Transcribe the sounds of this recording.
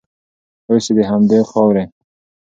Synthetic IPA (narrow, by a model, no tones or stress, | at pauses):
ojsed̪eɦamd̪exɑwɾe